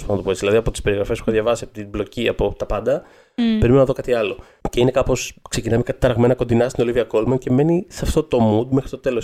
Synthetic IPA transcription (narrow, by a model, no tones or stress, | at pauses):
spɐnɐt̪opoizðilɐðiɐpo̞t̪ispe̞ɾiɣɾɐfespuxɐðʝɐvɐsiɐpt̪iblo̞ciɐpo̞t̪ɐpɐnd̪ɐ | peɾimenonɐðo̞kɐt̪iɐlo̞ | ce̞ine̞kɐpo̞skse̞cinɐmikɐt̪it̪ɐɾɐɣme̞nɐko̞nd̪inɐst̪ino̞liviɐko̞lmɐnce̞me̞nisɐft̪o̞t̪o̞mud̪mexɾi̥t̪o̞t̪e̞lo̞s